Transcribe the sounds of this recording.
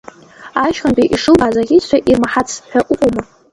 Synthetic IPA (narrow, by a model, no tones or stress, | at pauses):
aʃχantʼiʔiʂɨlbazaɡʲit͡ɕʷʰaʔirmaħat͡sʰħʷᶣaʔʷʼʊqʷʼoma